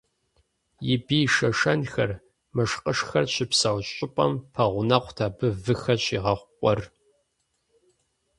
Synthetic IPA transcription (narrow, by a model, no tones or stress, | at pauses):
jɪbiːʃɐʂɐnxɐr | mɐʂqʼəʂxɐrɕʰɪpsɐwɕʼɪpʼɐ̰mpʰɐʁʷʊnɐqʷtʰaːbɨvɨxɐɕiːʁɐχʷqʷʼɔr